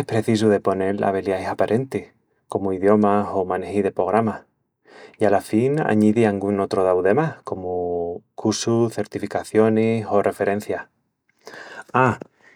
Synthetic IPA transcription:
ehpɾe̞θis̬uðe̞po̞ne̞ɾla̰β̞eljaesapaɾʔe̞nt̪ih | ko̞moiðjo̞maso̞manehiðe̞pɾo̞ɣ̞ɾama | ialafina̰ɲiðiaŋɡuno̞t̪ɾoðawðe̞mahko̞mokuɾsuθe̞ɾt̪ifikaθjo̞neso̞rʔe̞fe̞ɾẽ̞n̟θjah | a

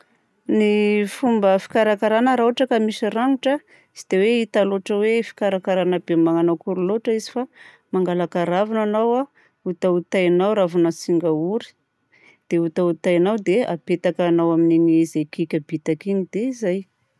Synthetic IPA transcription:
nifumbəfi̥kaɾakaɾanəɾauaʈ͡ʂəkamiʃiɾaŋuʈ͡ʂə | si̥d̪̥eweit̪aloʈ͡ʂəwefi̥kaɾakaɾanəbemaŋanawkuɾuloʈ͡ʂəizi̥fa | maŋɡalakaɾavananawa | ut̪aut̪ajnawɾavunəsiŋɡauɾi̥ | d̪̥eut̪aut̪ajnawd̪ea̰pet̪akanawaminiɲzejkikʲabit̪akinid̪̥eizaj

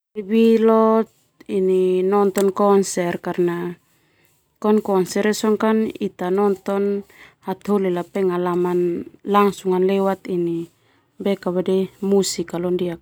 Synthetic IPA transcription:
ibilot̪̚ | ininont̪onkonserkaɾna | konkonseɾesoŋkanit̪anont̪onhat̪holelapeŋalamanlaŋsuŋanlewat̪ini | bekaβademusikalondiak̚

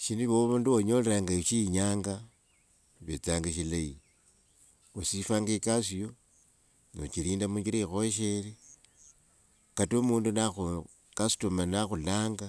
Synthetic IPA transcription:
ʃiniβoβunduwoɲo̞leɾaŋɡaʃiɲaːŋɡa | βet͡saːŋɡaʃ̬ilai | osifaːŋɡekasijo | no̰t͡ʃiliːndamuɲɡiɾeixoʃ̬eli | katomuːndunaxu | kasu̥tomanaxulaːŋɡa

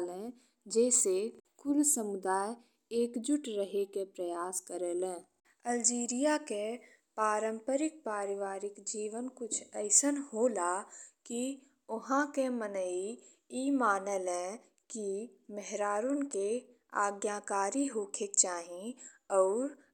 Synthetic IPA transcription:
lɛ̃ː | d͡ʒɛːsekʊlsəmʊd̪aːj | eːkd͡ʒʊʈɾəɦekepɾəjaːskəɾeːlɛ̃ː | əld͡ʒiːɾijake | paːɾə̃mpəɾɪk̚paːɾɪʋaːɾɪkd͡ʒiːʋənkʊt͡ʃʰəɪsənɦoːlaki | ʊɦãkemənəi | iːmaːnelɛ̃ | kiməɦɾaːɾonke | aːɡjakaːɾiɦoːkʰekt͡ʃaːɦĩɔːɾ

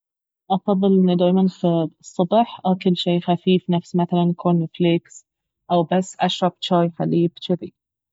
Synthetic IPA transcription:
ʔɑfɑðˤːɨlʔɪnːid̪aːjmanxsˤːʊbħʔakɪlːʃeːxafiːfnafsmaθalanjkʰoːnɪfleks | ʔawbasːʔaʃɾˤɑbt͡ʃaːjħaliːbt͡ʃɪd̪i

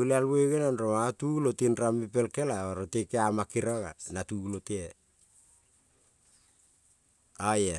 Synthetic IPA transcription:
ulealweɡenanɾomatulotinɾamipelkelaoɾotekeamakiɾaɡanatulote | aje

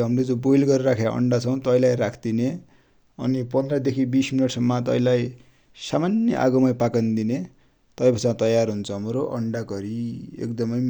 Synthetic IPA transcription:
ɦʌmrod͡zobojlɡʌɾɾakʰaʔʌ̰ɳɖat͡sʰʌ̃w̃t̪ʌjlajɾakʰd̪ine | ʌ̰nipʌnd̪rʌd̪ekʰibisminʌʈsʌmːʌt̪ʌ̰ĩlaj | samanjʌ̰ʔa̰ɡʌmajpakand̪ine | t̪ʌjbʱʌt͡sãt̪ʌjarɦunt͡sʰʌɦʌmɾoʔʌ̰ɳɖaɡʌɾiḛkd̪ʌmʌj

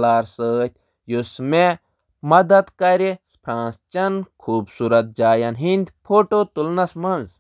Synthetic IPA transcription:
laːɾsəːt̪ʲʰ | jusme | mɐd̪ɐt̪kɐɾespʰɾãːnst͡ʃɐnkʰuːbsuːɾɐt̪̚d͡ʒaːjɐnɦind̪pʰoːʈoːt̪ulnɐsmɐnz

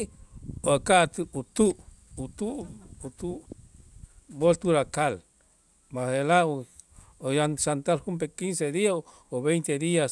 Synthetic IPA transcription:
oakaʔt̪ɨut̪uʔut̪uut̪u | bolt̪uɾakal | maselao | ojansant̪alhump̬ekinsed̪ia | oβejnt̪ed̪ias

